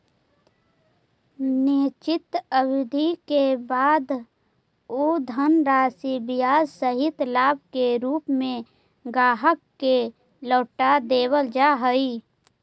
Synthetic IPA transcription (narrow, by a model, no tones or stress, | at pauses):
nɪt͡ʃɪt̪əwɪd̪ʱikebaːd̪ | oːd̪ʱənɾaːsibɪjaːzsəɦɪt̪laːb̚ʱkeɾuːpmẽ | ɡaːɦəkːe | lɔːʈad̪eːwəld͡ʒaɦəi